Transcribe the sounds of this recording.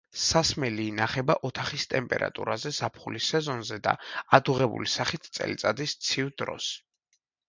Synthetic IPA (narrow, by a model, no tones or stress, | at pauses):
sasmɛliːnaχɛbaʔɔt̪ʰaχist̪ʼɛmpʼɛ̰ɾa̰t̪ʼṵɾazɛsapʰχulisɛzɔnzɛd̪a̰ad̪uʁɛbṵlisaχit̪ʰt̪sʼɛ̰lit̪sʼad̪ist̪sʰivd̪ɾɔ̰s